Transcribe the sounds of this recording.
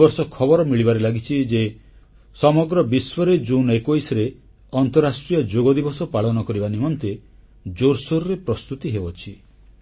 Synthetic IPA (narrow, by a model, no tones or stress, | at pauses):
ɔɾsɔkʰɔbɔɾɔmiɭibaɾelaɡit͡ʃʰid͡ʒe | sɔmɔɡɾɔbiswɔɾed͡ʒunekojsɾe | ɔnt̪ɔɾasʈɾiɔd͡ʒoɡɔd̪ibɔsɔpaɭɔnɔkɔɾibanimɔnt̪e | d͡ʒoɾsoɾɾepɾɔst̪ut̪iɦeɔt͡ʃʰi